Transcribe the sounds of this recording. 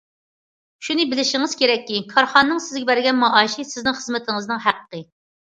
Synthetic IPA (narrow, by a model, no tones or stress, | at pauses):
ʃunɨbɪlɪʃɪŋɪz̥kʲʰeɾɛkʲːikʰɑɾχɑnːɨŋsɪzɡʲɛbæɾɡʲɛnmɑʔɑːʃisɪznɪŋχəzmɪt̪ʰɪŋɨznɨŋɦæqəqə